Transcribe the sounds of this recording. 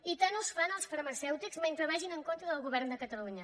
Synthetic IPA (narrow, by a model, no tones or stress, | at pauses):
it̪anəsfanəlˠsfəɾməsɛwt̪ikzment̪ɾəβaʒinəŋkont̪ɾəðəlˠɣuβɛɾnd̪əkət̪əluɲə